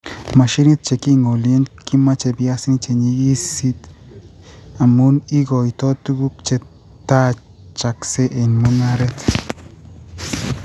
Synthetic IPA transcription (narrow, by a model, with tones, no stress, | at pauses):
ma˨ʃi˦ɾi˦t̪̚t͡ʃe˨ki˦˨ŋo˨lje˦nki˦ma˦t͡ʃe˨bja˦si˦ŋi˦t͡ʃe˨ɲiː˧˦si˦t̪ | a˨mu˦ni˦ɡo˨i˨t̪ɔ˦t̪u˦ɡu˦k̚t͡ʃe˧ | t̪a˦ | t͡ʃa˨kse˦ʔe˨nmo˦na˦ɾɛ˦t̪